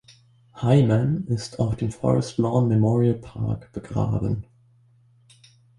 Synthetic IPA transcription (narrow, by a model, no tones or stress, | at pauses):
haɪmanɪstʰaʊfd̥eːmfɔ̰ʁɛstlɔːnmɛmɔːʁiəlpʰa̰ɐkb̥əɡʁa̰ːbə̰n